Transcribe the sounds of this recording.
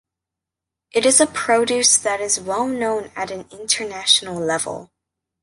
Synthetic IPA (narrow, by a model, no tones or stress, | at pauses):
ʔɨɾɨzəpʰɹ̥oʊɾʉsðɨɾɨzwɛlˠnõʊ̃nɨɾɨ̃nɪ̃ntʰə˞næʃn̩l̩ˠlɛvə̰l̩ˠ